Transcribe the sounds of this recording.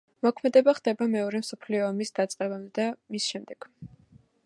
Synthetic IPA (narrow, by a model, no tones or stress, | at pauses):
mɔkʰmɛd̪ɛbaχd̪̥ɛbamɛɔɾɛmsɔpʰliɔːmisd̪̥at̪sʼqʼɛbamd̪amisʃɛmd̪ɛɡ̥